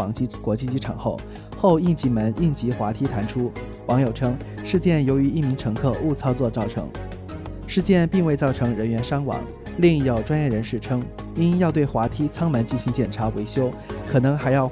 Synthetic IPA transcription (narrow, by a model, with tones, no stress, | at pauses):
ɑ˧˥ŋt͡ɕi˥kwɔ˧˥t͡ɕi˥˧t͡ɕi˥ʈ͡ʂʰɑ̰˨˩ŋxo˥˩ʊ | xo˥˧ʊi˥˩ŋt͡ɕi˧˥mə˧˥nʔi˥˩nt͡ɕi˧˥xwa˧˥t̪ʰi˧˥t̪ʰa˧˥nʈ͡ʂʰu˥ | wɑ˧˥ŋjo˨˩ʊʈ͡ʂʰɤ˥ŋ | ʂɻ̩˥˧t͡ɕjɛ˥˩njo˧˥ʊy˧˥i˥˩mi˧˥ŋʈ͡ʂʰɤ˧˥ŋkʰɤ˥˧ʔu˥˩t͡sʰɑ˥ʊt͡swɔ˥˧˩t͡sɑ˥˩ʊʈ͡ʂʰɤ̰˧˥ŋ | ʂɻ̩˥˧t͡ɕjɛ˥˧npi˥˧ŋwe˥˧ɪt͡sɑ˥˩ʊʈ͡ʂʰɤ˧˥ŋɻə˧˥nɥɛ˧˥nʂɑ˥ŋwɑ̰˧˥ŋ | li˥˧ŋ˥˩jo˨˩ʊʈ͡ʂwa˥njɛ˥˩ɻə˧˥nʂɻ̩˥˩ʈ͡ʂʰɤ˥ŋ | i˥njɑ˥˧ʊt̪we˥˩ɪxwa˧˥t̪ʰi˥t͡sʰɑ˥ŋmə˧˥nt͡ɕi˥˩nɕi˧˥ŋt͡ɕjɛ˨˩nʈ͡ʂʰa˧˥we˧˥ɪɕjo˥ʊkʰɤ˨˩nɤ˧˥ŋxa˧˥ɪjɑ˥˩ʊ